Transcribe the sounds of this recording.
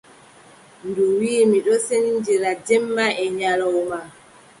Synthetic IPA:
nduwiːmiɗɔsenind͡ʒiɾad͡ʒɛmːaʔɛɲalɔwma

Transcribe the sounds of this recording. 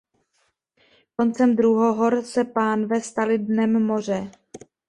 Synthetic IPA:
ko̞nt͡sɛmd̪ɾuɦoɦoɾsɛpaːnvɛst̪alɪdnɛmːo̞r̝ɛ

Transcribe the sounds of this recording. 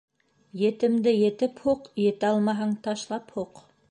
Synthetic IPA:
jɘ̆t̪ɘ̆md̪ɘjɘ̆t̪ɘphuqjɘ̆t̪ɘɑlˠmɑɦɑɴt̪ɑʃlˠɑphuq

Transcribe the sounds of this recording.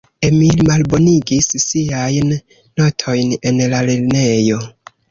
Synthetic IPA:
emilmalbo̞niɡisːiajnː | o̞tʰo̞jne̞nlaliɾne̞jo̞

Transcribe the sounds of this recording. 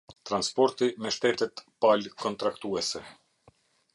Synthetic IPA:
t̪ɾanspɔɾt̪imɛʃt̪ɛt̪ɛt̪palkɔnt̪ɾakt̪uɛsɛ

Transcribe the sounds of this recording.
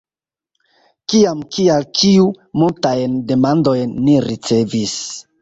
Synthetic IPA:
kiamkʰialt͡ʃiu | multajnde̞mando̞jnːiɾit͡se̞vis

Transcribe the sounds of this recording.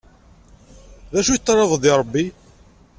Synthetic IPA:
ðæʃujt̪ˤːɾˤɑðˤðiɾˤəbːi

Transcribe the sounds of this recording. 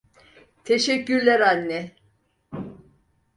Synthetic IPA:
t̪ʰeʃɛcːyɾlʲæɾanːɛ

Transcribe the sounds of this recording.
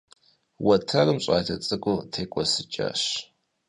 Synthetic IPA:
wɐtʰɐrɨmɕʼaːtʰɐt͡sʼɐkʷʼʊtʰeːkʷʼɔsɨt͡ʃʼa̰ːɕ

